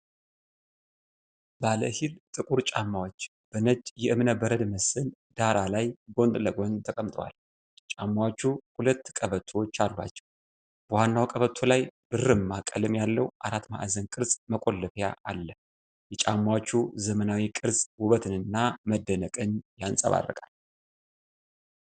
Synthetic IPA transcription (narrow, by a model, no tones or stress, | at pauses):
balə̰hilt̪ʼɨkʼuɾt͡ʃʼamːawot͡ʃː | b̥ənəd͡ʒjɛʔɨmnəbəɾəd̪məsɨl | d̪̥aɾalajɡo̞nd̪ʼləɡo̞nt̪ʰəkʼəmt̪ʼwa̰l | jɛt͡ʃʼamːawot͡ʃːuhulət̪ːkʼəβət̪ʰot͡ʃːalːa̰t͡ʃːɛ̥w | b̥əwanːawkʼəβət̪ʰːolajb̥ɨrɨmːakʼəlɨmjalːəwʔaɾat̪ma̰ʔzənkʼɨɾsməkʼo̞lːɨfja̰ʔalːə | jɛt͡ʃʼamːawot͡ʃːuzəmənawikʼɨɾsʼwʊβət̪ʰɨnɨnːaməd̪ːənəkʼɨnjansʼə̰βa̰rːə̰kʼal